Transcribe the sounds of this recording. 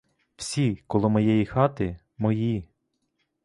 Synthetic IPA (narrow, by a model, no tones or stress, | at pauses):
w̥sʲikɔlˠʊmɔjɛjixɑt̪ɪ | mɔji